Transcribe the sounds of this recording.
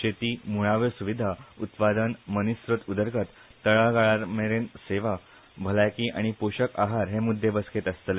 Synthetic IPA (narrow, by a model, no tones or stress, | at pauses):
ɕet̪iːmuɭaʋəsuʋid̪ʱaut̪pad̪ənmənisɾot̪ud̪əɾɡət̪ː | əɭaɡaɭaɾmeɾẽnseʋa | bʱəlajkiʔa̰ɽ̃ipoɕəkaɦaɾɦemud̪ʱːebəsket̪əst̪le